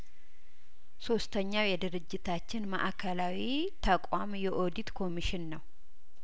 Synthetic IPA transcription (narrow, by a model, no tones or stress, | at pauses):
so̞st̪ʰəɲːawjɛd̪ɨɾɨd͡ʒːɪt̪ʰat͡ʃːɪnmə̰ʔakʰəlawi | t̪ʰəkʼamjɛʔo̞d̪it̪kʰo̞miʃɪnːəw